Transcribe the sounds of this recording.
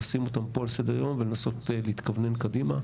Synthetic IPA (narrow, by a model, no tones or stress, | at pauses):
simo̞t̪ampo̞alse̞d̪eʁjo̞mvelenaso̞tleit̪kavne̞nkadima